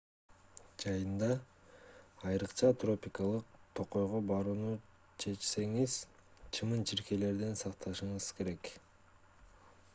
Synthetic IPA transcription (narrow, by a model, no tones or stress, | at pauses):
d͡ʒɑjɯnd̪ɑː | jɾɯqt͡ʃɑt̪ro̞pʲikɑlˠɯq̚t̪ʰo̞qo̞jʁobɑɾuːnu | t͡ʃʰe̞t͡ʃse̞ŋiz̥t͡ʃʰɯmɯnt͡ʃʰiɾke̞le̞ɾd̪ensɑqt̪ʰɑʃɯɴɯz̥ke̞ɾe̞k